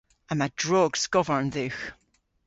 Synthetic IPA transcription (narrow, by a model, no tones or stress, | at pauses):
ə̃madɹɔɡsɡ̥ɔvə˞nðʉx